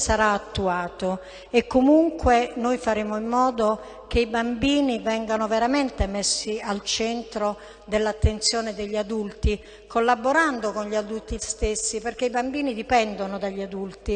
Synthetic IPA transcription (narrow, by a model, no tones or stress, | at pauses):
saɾaːt̪ːuaːt̪o | ekːomuŋkwenojfaɾeːmoimːɔːd̪o | k̟eibambiːnivɛŋɡanoveɾament̪emesːialt͡ʃɛnt̪ɾo | d̪elːat̪ːent̪sjɔːned̪eʎːiad̪ult̪i | kʰolːaboɾand̪okonʎiad̪ult̪ist̪esːiperkeibambiːnid̪ipɛnd̪onod̪aʎːiad̪ult̪i